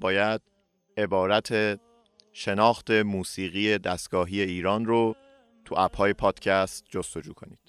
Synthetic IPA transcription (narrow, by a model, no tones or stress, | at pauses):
bɒːjæd̪̥̚ | e̞bɒːɾæt̪ʰe | ʃe̞nɒːxt̪ʰe̞muːsiːɣiːjed̪æst̪ɡ̥ɒːɦije̞iːɾɒːnro | t̪ʰuʔæphɒːjepʰɒːd̪̥cʰæst̪̚d͡ʒost̪o̞d͡ʒuːkʰo̞nḭːd̪̥